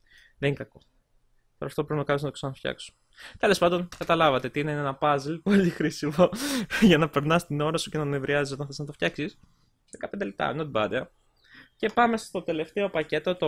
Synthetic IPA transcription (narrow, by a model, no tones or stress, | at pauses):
ðeninkɐko̞ | t̪oɾɐft̪opɾint̪oɐniznɐt̪osɐnɐft̪çɐ̰kso̥ | t̪e̞le̞spɐnd̪o̞nkɐt̪ɐlɐvɐt̪et̪iineenɐpɐzlpoʎixɾisimoʝɐnɐpe̞ɾnɐst̪ino̞ɾɐsuce̞nɐmevɾiɐzis̬ot̪ɐnθeznɐt̪oft̪çɐksis | sekɐp̪ed̪elip̚t̪ɐ̰not̪ibɐ̰d̪eɐ | ce̞pɐme̞st̪ot̪e̞le̞ft̪e̞o̞pɐce̞t̪o̞t̪o